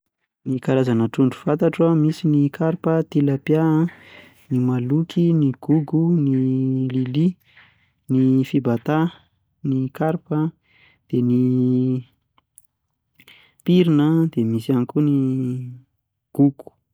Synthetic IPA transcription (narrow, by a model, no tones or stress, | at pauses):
nikaɾazanəʈ͡ʂuɳɖ͡ʐu̥fant̪aʈ͡ʂamisinikʰaɾpət̪ilapja | nimalukʰiniɡ̥uɡunilili | nifibat̪a | nikaɾpə | d̪̥eni | piɾinəd̪̥emisanikʲuni | ɡ̥uɡ̥u̥